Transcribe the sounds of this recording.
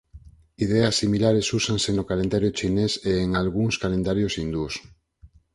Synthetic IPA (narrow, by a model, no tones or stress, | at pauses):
iðeasːimilaɾesusaŋsenokalend̪aɾjot͡ʃineseːŋalɣuŋskalend̪aɾjosind̪us